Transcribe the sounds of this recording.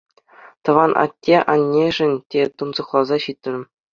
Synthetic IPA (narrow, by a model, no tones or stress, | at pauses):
t̪ɤ̆ʋɑnʔɑ̰tʲːeʔɑnʲːeʐɘ̆nʲtʲet̪unzɤ̆χlˠɑzɑɕit̪ʲːɘ̆rʲɘ̆